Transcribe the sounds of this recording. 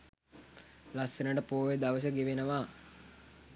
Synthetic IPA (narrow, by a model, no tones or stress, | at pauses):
lasenəʈəpoːʋed̪aʋəs̬əɡeʋenəʋaː